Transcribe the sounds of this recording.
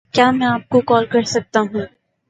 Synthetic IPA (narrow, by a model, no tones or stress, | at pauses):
kjaːmɛ̃aːp̚kokɔːlkɐɾsɐk̚t̪aɦũː